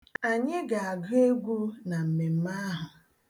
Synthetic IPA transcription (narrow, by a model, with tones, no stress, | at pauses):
a˨ɲɪ˦ɡa˨a˨ɡe˦ɡʷu˦na˨m̩˨me˨m̩˦ma˦ɦʊ˨